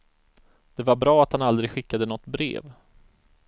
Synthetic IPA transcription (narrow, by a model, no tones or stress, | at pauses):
d̪̥ɛvaɾbɾɑːat̪hanald̪ɾɪɡɧɪkːad̪ənɔt̪ːbɾḛːv